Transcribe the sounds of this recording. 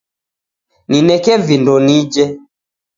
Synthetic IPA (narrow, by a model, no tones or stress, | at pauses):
ninɛkɛvindɔnid͡ʒɛ